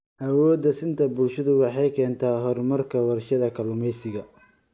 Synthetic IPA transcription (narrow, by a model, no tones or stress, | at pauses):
ʔɐwɔːd̪ɐsɪnt̪ʰɐbʊlʃɐðʊwɑħɑjkʰɛːnt̪ʰaːɦɔrmɐrkʰɐwɑrʃɐðɐkʰɐlʊmɛjsɪɣɐ